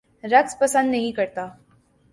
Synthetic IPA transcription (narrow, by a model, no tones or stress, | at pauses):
ɾɐkspɐsə̃nd̪nɐɦĩkɐɾt̪aː